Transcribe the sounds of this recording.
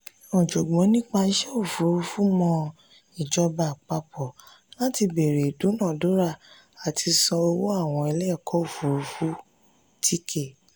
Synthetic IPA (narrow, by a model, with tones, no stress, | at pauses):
ɔ̃˨d͡ʒɔ˨ɡ͡bɔ̃˨˦nĩ˦k͡pa˧˦ʃɛ˦o˦˨fu˨ɾu˧fu˦mɔ̃˧ | i˨d͡ʒɔ˧ba˨k͡pa˧pʰɔ˨ | la˦ti˧be˨ɾe˨du˨˦nãː˦˨do˨˦ɾa˦˨ | a˨tʰi˧sɔ̃˧o˧wo˦a˦˨w̃ɔ̃˧ɛ˧lɛ˦˨kʰɔ˨˦o˦˨fu˨˦ɾu˧fu˦ | tʰi˦kʰe˦˨